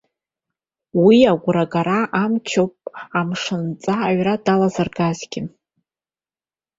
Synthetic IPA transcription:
wiaɡʷʊɾaɡaɾaʔamt͡ʃʰowpʼamʂɨnt͡sʼaːɥradalazɨrɡazɡ̥ʲɪ

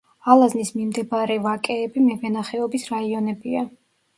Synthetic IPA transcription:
alˠaznismimd̪ɛbaɾɛvakʼɛːbimɛvɛnaχɛɔbisɾaiɔnɛbia

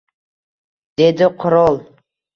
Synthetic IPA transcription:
d̪e̞d̪ɪqʰʊɾolˠ

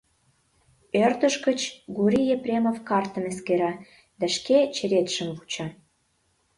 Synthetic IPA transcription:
ørt̪ə̆ʃkə̆t͡ɕɡuɾʲijeprʲemofkɑrt̪ə̆meskeɾɑ | d̪æʃket͡ɕĕɾet̪ʃə̆mvut͡ɕɑ

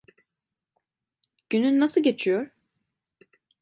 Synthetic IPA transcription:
ɟ̥ynynːasɯɟe̞t͡ʃʰijoɾ

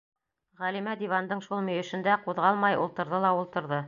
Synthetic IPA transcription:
ʁælimæd̪ivɑnd̪ɤɴʃulˠmɵ̆jɘ̆ʃɘ̆nd̪æquðʁɑlˠmɑjṵlˠt̪ɤ̆ɾðɤlˠɑulˠt̪ɤ̆ɾðɤ

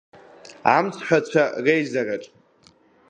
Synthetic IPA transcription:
amt͡sʰħʷᶣat͡ɕʷʰarejzaraʈ͡ʂʼ

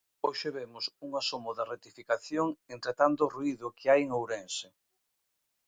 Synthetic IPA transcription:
oʃeβemʊsuŋasomʊðaret̪ifikaθjoŋent̪ɾet̪ant̪ʊruiðʊkʰɪajeŋowɾensɪ

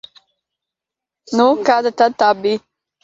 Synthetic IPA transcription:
nukɑːd̪ət̪at̪aːbi

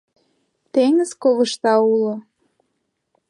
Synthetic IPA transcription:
t̪eŋəskoβə̆ʃt̪ɑulo

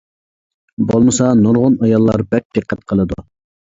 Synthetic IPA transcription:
bolˠmɨsɑnuɾʁʊnɑjɑlˠːɑɾbɛk̚ʲd̪̥ɨqʰːæt̪̚qʰəlˠɨd̪u

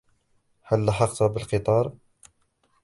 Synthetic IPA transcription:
hælːaħɑqt̪ɑbəlqət̪ˤɑɾˤ

